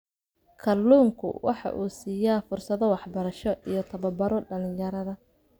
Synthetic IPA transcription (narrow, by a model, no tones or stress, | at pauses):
kʰɐlːuːŋkʰʊ̰wʔɑħɑ̰ʔṵːsiːjaːfʊrsɐðɔwɑħbɐɾɐʃɔʔijɞt̪ʰɐβɐbɐɾɔɖɐlɪ̃jɐɾɐðɐ